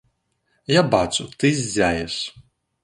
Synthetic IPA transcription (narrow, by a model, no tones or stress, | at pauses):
jabat̪sʊt̪ɨzʲzʲæjɛs